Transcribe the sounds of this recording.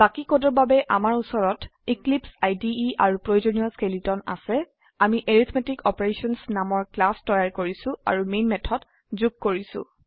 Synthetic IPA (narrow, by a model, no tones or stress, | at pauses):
bakikodɔɹbabɛʔamaɹusɔɹɔtiklipsajdiːaɹupɹojozonijɔskelitɔna̰sɛ | amiʔeɹit̪ʰmetikɔpeɹesɔnsnamɔɹklastɔjaɹkoɹisʊ̃a̰ɹumenmɛtʰɔt | zuɡ̚koɹisʊ̰̃